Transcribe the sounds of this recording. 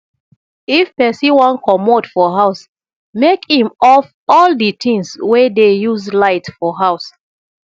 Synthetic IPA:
ifpɛsiwãnkʰɔmodfɔɦaʊs | mekhĩmɔf | ɔlditʰĩŋswɛdejuzlaɪtfɔɦaʊs

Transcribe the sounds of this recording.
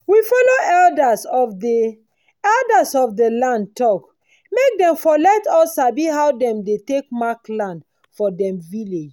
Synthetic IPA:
wifɔloɛldasɔfde | ɛldasɔfdəlãnd̚tɔk | mek̚dɛ̃mfɔlɛtɔsabiɦawdɛ̃mdetekmaklãnd | fɔdɛ̃mviled͡ʒ

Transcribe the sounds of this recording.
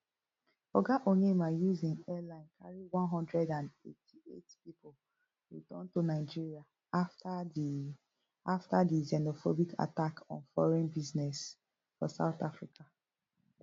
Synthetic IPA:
ɔɡaʔoɲemajuzĩŋɛlãɪ̃nkʰaɹiwãnɦɔ̃ndɹɛdãnḛtʰiḛtpipol | ɹitɔ̰̃ntonaɪd͡ʒiɹia | af | aftadizɛnofobikʰa̰takʰɔ̰̃nfɔ̰ɹɛ̃nbiznɛs | fɔ̰sa̰ʊt̪afɹika

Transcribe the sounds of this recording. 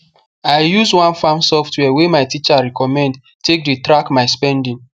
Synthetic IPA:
ajjuswãnfamsɔftwɛwemajtit͡ʃaɹɛkɔmɛ̃nd | tek̚detɾakmaɪspɛ̃ndĩŋ

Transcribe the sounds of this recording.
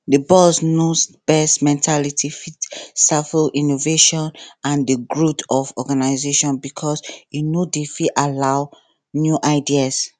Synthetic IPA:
dəbɔsnosb̥ɛsmɛ̃ntʰalitʰifitsafəʔinoveʃɔ̃nãndəɡɹutʰɔfɔɡanaɪzeʃɔ̃nbikʰɔsinodefialaʊ | njuʔaɪdias

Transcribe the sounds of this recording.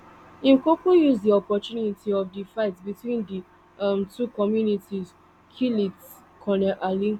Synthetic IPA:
ĩmkokujusdiɔpɔtunitiɔfdifaɪtbitwĩndi | amtʰukɔmjunitiz | kʰilit | kʰɔnɛʔalĩn

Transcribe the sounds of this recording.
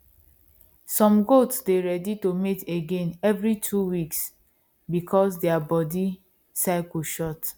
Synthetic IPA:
sɔ̃mɡotsdeɹɛditometeɡẽnɛvɹitʰuwiks | bikʰɔsdeabɔdi | saɪkuʃɔt

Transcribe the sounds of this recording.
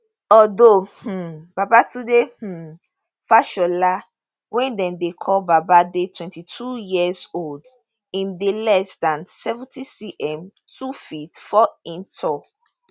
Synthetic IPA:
ɔdoh̩b̥abatudeh̩ | faʃɔla | wɛ̃ndɛ̃ndekʰɔlbabadetʰwɛ̃ntitʰujizold | ĩmdelɛsdãnsɛvũntisiʔɛ̃m | tʰufitfɔĩntʰɔk

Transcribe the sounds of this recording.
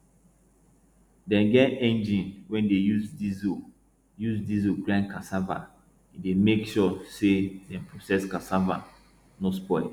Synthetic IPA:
dɛ̃nɡɛtɛ̃nd͡ʒĩnwɛ̃ndejuzdizo | juzdizoɡlãnkasava̰ | idemekʃɔsedɛ̃npɹosɛskasava̰ | nospɔɪl

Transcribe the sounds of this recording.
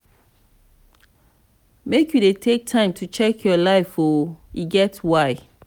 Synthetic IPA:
mekjudetʰek̚tʰãɪ̃mtʰut͡ʃɛkʰjɔlaɪfɔiɡɛtwaɪ

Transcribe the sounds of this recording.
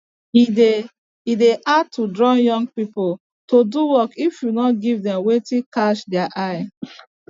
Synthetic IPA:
ide | ideʔatʰudɹɔjɔ̃ŋɡ̚pipol | toduwɔkifjunɔtɡivdɛ̃mwetikaʃdɛaʔaɪ

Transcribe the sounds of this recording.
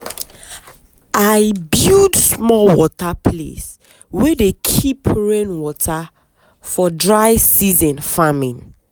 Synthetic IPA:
aɪbjudsmɔwɔtapʰlḛs | wɛdekʰipʰɹẽnwɔtʰa | fɔdɹaɪsizɔ̃nfamĩn

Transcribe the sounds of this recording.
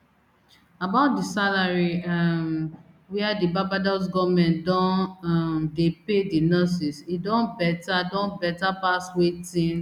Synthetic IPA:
abaʊt̚disalaɹiam | wɛadibabadɔs̬ɡɔmɛ̃ndɔ̃namdepedinɔs̬isidɔ̃nbɛtadɔ̃nbɛtapaswetĩn

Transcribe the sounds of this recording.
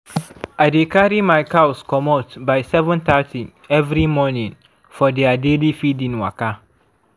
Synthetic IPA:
adekʰaɾimaɪkʰawskʰɔmotbaɪsɛvə̃nt̪atʰi | ɛvɾimɔnĩn | fɔdɛadelifidĩnwa̰ka

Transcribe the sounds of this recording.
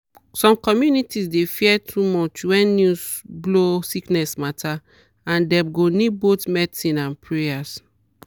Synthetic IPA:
sɔ̃mkɔmjunitisdefiɛtʰumɔt͡ʃwɛ̃nːjusblosiknɛsmatʰa | ãndɛ̃mɡonibotmɛtĩnãnpʰɹeas

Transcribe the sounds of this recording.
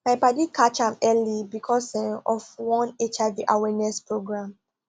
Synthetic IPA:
maɪpadikʰat͡ʃãmɛlibikʰɔsɛ̃nɔfwɔ̃net͡ʃaɪviʔawɛnɛspɹoɡɹãm

